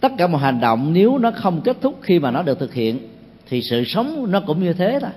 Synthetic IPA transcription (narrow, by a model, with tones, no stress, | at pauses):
t̪ə˦˥kaː˧˩mɔ̰˨jha˨˩ŋ̟ɗə̰˧˨wŋ͡mne˨˦wnɔ˨˦xə˧wŋ͡mke˦˥t̚t̪ʰʊ˦˥k͡p̚xi˧maː˨˩nɔ˨˦ɗət̪ɨ˨˩k̚hḭ˧˨ən | t̪ʰi˨˩sɨ̰˧˨sə˨˦wŋ͡mnɔ˨˦kʊ̰˧˥ŋ͡mɲɨ˧t̪ʰe˨˦a˧˨